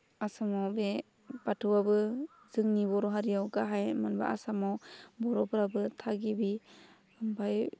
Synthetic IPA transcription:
asamawbe | batʰɯwabɯ | zɯŋnibɔɾɔɦaɾijawɡaɦajmanba̰ʔasamawbɔɾɔbɾabɯtʰaɡibi | ɯmbaj

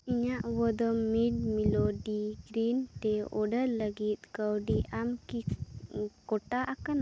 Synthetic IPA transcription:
iɲaʔwɔd̪ɔmːiɖ̚milɔɖiɡɾint̪ɛɔ̰ɖəɾləɡit̪̚ˀkəwɖiamki | kɔʈaʔakana

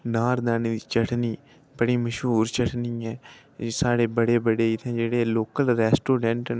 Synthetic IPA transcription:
naːɾd̪aːneːd̪iːt͡ʃəʈniː | bəɽiːməʃɦuːɾt͡ʃəʈʰniːɛː | saːɽeːbəɽeːbəɽeːɪt̪ʰẽːd͡ʒeːɽeːloːkəlɾɛːsʈoːɖɛ̃ɳʈ

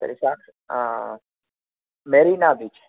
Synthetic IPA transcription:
t̪ə̰ɾisak | meɾinabit͡ʃʰ

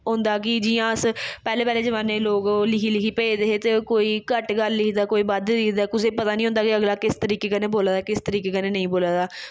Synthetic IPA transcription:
ɦʊ̃ːnd̪aːkɪd͡ʒɪjãːəspɛːleːpɛːleːd͡ʒəʋãːneːloːklɪkʰiːlɪkʰiːpəeːd̪eɦeːt̪eːkoːiːkəʈɡəlːɪkd̪aːkoːiːbəd̪lɪkd̪aːkʊseːpət̪aːnĩɦõnd̪aːkiəɡlaːkɪst̪əɾiːkeːkəneːboːlaːd̪aːkɪst̪əɾiːkeːkəneːnəĩːboːlaːd̪aː

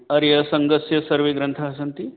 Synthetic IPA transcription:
ɐɾjɐsɐŋɡɐsjɐsɐɾʋeɡɾɐnt̪ʰɐɦɐsɐnt̪i

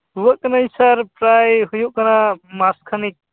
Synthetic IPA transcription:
uwaʔkanaisaɾpɾajɦujuʔkanamaskʰanik̚

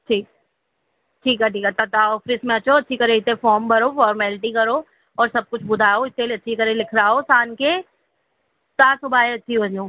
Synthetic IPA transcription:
ʈʰiːk̚ | ʈʰiːkaʈiːkɐt̪ːat̪aɔːfɾɪsmẽɐtːʃʰoɐtːʃʰikɐɾeɪt̪efɔːɾmbʱɐɾofɔːɾmɛːlɪʈikɐɾo | ɔːɾsɐb̚kʊt͡ʃʰbʊd̪ʱaːoɪt̪keleɐtːʃʰikɐɾelɪkʰɾaːosaːnke | t̪aːsʊbʱaːeɐtːt͡ʃʰibɐ̃ɲõː

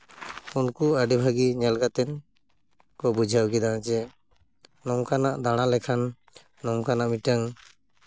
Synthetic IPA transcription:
unkuaɖibʱaɡiɲalɡat̪ɛn | kɔbud͡ʒʱawɡid̪ad͡ʒɛ | nɔŋkanaʔd̪aɽ̃alɛkʰanː | ɔŋkanaʔmiʈaŋ

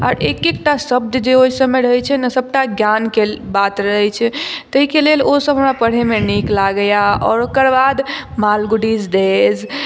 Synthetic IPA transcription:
ɔ̰ːɾekek̚ʈasəb̚d̪d͡ʒeoisəbmeɾəɦɛt͡ʃʰɛnəsəb̚ʈaɡjankelbat̪ɾəɦɛt͡ʃʰɛt̪əɦikelelosəbʱɦəmɾapəɽ̤emeniklaɡəjaɔ̰ːɾokəɾbad̪malɡuɽid͡ʒd̪ez

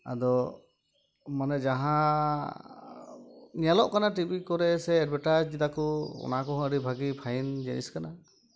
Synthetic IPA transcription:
a̰d̪ɔ | manɛd͡ʒaɦã | nijalɔʔkanaʈibikɔɾɛsɛːd̚bʱaʈad͡ʒd͡ʒid̪akɔɔ̰nakɔɦɔ̃əɾibʱaɡipʰajnd͡ʒɛ̰nḭskana

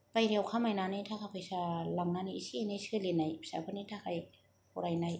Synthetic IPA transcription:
pajlewkʰamajnaːnit̪ʰaːkʰapʰasalaŋnaːnisinasɯlinːajsa̰pʰɯnːiːt̪ʰaːkʰaj | poɾajnaj

